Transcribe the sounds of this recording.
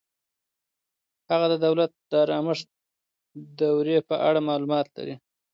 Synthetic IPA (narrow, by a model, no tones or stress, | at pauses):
haɣad̪əd̪awlat̪̚d̪əɾɑməʂ | d̪awɾepəʔa̰ɽamɑlumɑt̪la̰ɾi